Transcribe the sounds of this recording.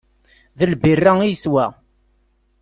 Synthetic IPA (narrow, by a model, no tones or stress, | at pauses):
ðəlbirːaiswæ